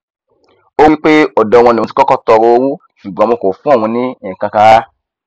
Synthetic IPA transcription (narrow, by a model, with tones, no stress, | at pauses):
o˦wi˦k͡pe˦ɔ˨dɔ̃˨˧wɔ̃˧nĩ˨t̬i̥˨˦kɔ˦kɔ˦tɔ˧ɾo˧o˧wu˦ | ʃu˨ɡ͡bɔ̃˦mo˧ko˨fũ˦a˦˨w̃ɔ̃˧nĩ˦˨kã˧ka˦ɾa˦